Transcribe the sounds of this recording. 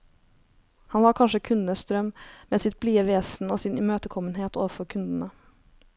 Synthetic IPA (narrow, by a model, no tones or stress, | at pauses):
hɑnʋɑːɾkʰɑnʂəkʰʉnnəst̪ɾœmmeːsɪt̪̚bliːəʋeːsn̩oːsɪnʉmøːt̪əkʰɔmənɦeːt̪oːʋəfɔɾkʰʉnd̪n̩ə